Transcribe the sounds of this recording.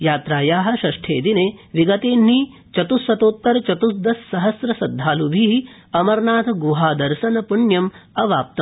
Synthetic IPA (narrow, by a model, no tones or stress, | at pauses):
jaːt̪ɾaːjaːɦɐ̆ʃɐʂʈʰḛːd̪ineːʋiɡɐt̪eːn̤ːi | t͡ʃɐt̪usːɐt̪oːt̪ːɐɾɐt͡ʃɐt̪usd̪ɐsːɐɦɐsɾɐsɐd̪ʱːaːlubʱiɦi | ɐmɐɾnaːt̪ʰɐɡuɦaːd̪ɐɾʃɐnɐpuɳjɐmɐʋaːp̚t̪ɐ